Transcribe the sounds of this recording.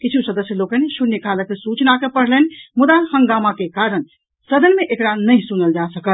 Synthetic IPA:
kit͡ʃʰusəd̪əsjəloːkənʃunjəkʰaləkesut͡ʃnakepəɽ̤lənmʊd̪ahəŋɡaːmakekaɾən | səd̪ənmẽʔekɽanəĩsunəld͡ʒasəkə

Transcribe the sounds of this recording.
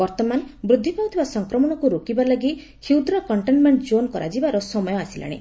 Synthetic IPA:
bɔɾt̪ɔmanbɾud̪ʱːipawt̪ʰibasɔŋkɾɔmɔɽ̃ɔkuɾokibalaɡi | kʰiwd̪ɾɔkɔɳʈenmeɳʈd͡ʒonkɔ̰ɾʔa̰d͡ʒibaɾɔsɔmɔjɔasila̰ɽ̃ḛ

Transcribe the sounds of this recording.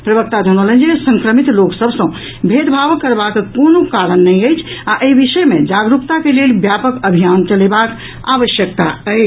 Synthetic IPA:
pɾəbək̚t̪ad͡ʒʱənolə̃nd͡ʒiesə̃ŋkɾəmit̪loksəbʱsə̃ | bʱed̪bʱabkːəɾbakekonokaɾənːɛjəjt͡ʃʰaʔəibiʃəmed͡ʒaɡɾupt̪akelelbjapəkəbʱijant͡ʃəlebak | a̰ʋəʃjək̚t̪a̰əj

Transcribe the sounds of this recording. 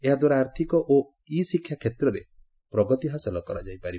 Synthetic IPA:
eɦad̪waɾaaɾt̪ʰikɔʔo | isikʰːjakʰet̪ɾɔɾḛ | pɾɔɡɔt̪iɦasilɔkɔɾad͡ʒajpaɾi

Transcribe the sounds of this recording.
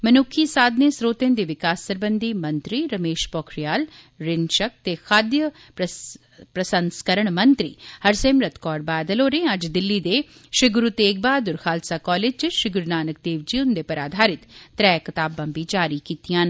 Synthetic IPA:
mənʊkʰːiːsaːd̪nesɾoːt̪ẽːnd̪iːʋɪkaːsːəɾbənd̪iːmɐnt̪ɾiɾəmeːʃpɔːkʰɾijaːl | ɾɪnʃək̚t̪exʰaːd̪jə | p | pɾəsənskəɾəɳ̃mənt̪ɾḭːhɐɾsẽːmɾət̪ʰkɔːɾbaːd̪əloːɾẽɐd͡ʒd̪ɪlːid̪eː | ʃɪɡʊɾut̪eːɡ̚baːd̪ʊɾxʰaːlsaːkɔːleːd͡ʒd͡ʒʃɾɪɡʊɾnaːnək̚d̪eːʋd͡ʒiːʊnd̪epɐɾaːd̪ʱaːɾɪt̪ːɾɛːkɐt̪aːbãːbid͡ʒaːɾikiːt̪ijãːn

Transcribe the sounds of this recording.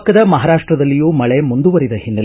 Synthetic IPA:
kɐd̪ɐmɐɦaːɾaːʂʈɾɐd̪ɐlːijuːmɐɭe̞mund̪uʋɐɾid̪ɐhinːɐ

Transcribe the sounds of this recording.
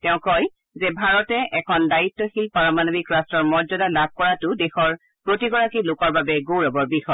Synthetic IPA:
tɛʊ̃kɔj | zɛbʱaɹɔtɛʔɛkʰɔndaɹitːɔxilpaɹɔmanobikɹastɔɹmɔɹzɔdalab̚ʱkɔɹatʊdɛxɔɹ | pɹotiɡɔɹakilʊkɔɹbabɛɡowɹɔbɔɹbixɔj

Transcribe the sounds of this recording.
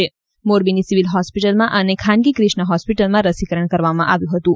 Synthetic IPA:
e | moɾbinisiʋilɦɔspiʈəlmãʔənekʰãnɡikɾɪʃɳəɦɔspiʈəlmãɾəsikəɾəɳkəɾʋamãʔaʋjũɦət̪ũ

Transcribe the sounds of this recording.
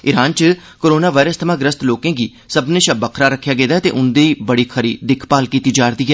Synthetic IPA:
ɪɾaːnt͡ʃəkoːɾoːnaːʋaːɪɾəst̪ʰəmãːɡɾəst̪loːkẽːɡiː | səbnẽːʃəbəkʰɾaːɾəkʰːjaːɡeːd̪aːt̪eːʔʊnd̪eːiːbəɽiːkʰəɾiːd̪ɪkʰpaːlkiːt̪iːd͡ʒaːɾd̪iːɦɛː

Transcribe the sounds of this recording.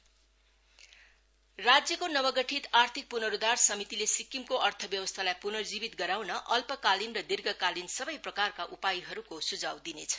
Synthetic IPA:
rad͡zjʌkonʌwʌɡʌʈʰit̪art̪ʰik̚punʌɾud̪arsʌmit̪ilesikːimkoʔʌrt̪ʰʌbjʌwʌst̪ʰalajpunʌrd͡zibit̪̚ɡʌɾawnʌʔʌlpʌkalinrʌd̪irɡʌkalinsʌbʌjprʌkarkaʔupajɦʌɾukosud͡zawd̪inet͡sʰʌ̥

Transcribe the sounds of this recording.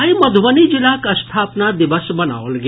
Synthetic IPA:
iməd̪ʱʋənid͡ʒɪlakəst̪ʰaːpnad̪ɪʋəsbɐna̰ʋolɡ

